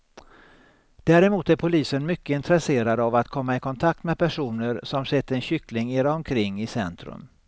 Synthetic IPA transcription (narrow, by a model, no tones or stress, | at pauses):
d̪̥æːɾɛmuːt̪æɾpʰʊliːsənmʏkːəɪnt̪ɾɛseːɾad̪avat̪kʰɔmːaɪkʰɔnt̪ʰak̚t̪mɛd̪̚pʰæʂuːnəɾsɔmsɛt̪ːəɾɛnɕʏklɪŋeːɾaɔmkʰɾɪŋːɪsɛnt̪ɾɵ̰m